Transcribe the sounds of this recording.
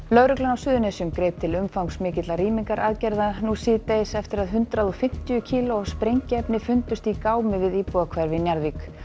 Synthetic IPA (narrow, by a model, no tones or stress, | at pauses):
lœɥɾʏklʏnawsʏːðʏnesʏmkɾeːjp̚t̪ʰɪlʏmfawŋksmɪːcɪt̪laɾiːmiŋkaɾʔaðcɛjɾðanusɪːt̪ejsɛft̪ɪɾaðɦʏnt̪ɾaðɔfɪm̥t̪ʏʏcʰiːlospɾejɲcɪɛpnɪfʏnt̪ʏst̪ikaːwmɪvɪðiːpuakʰvɛɾvɪnjaɾðvik